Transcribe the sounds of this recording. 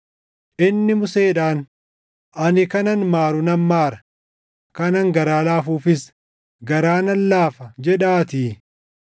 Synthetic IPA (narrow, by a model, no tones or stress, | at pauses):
ʔɪnːɪmʊseːᶑaːn | ʔɐnɪkɐnɐnmaːɾʊnɐmmaːɾɐ̥ | kɐnɐŋɡɐɾaːlaːfuːfɪs | ɡɐɾaːnɐlːaːfɐd͡ʒɛᶑaːt̪iː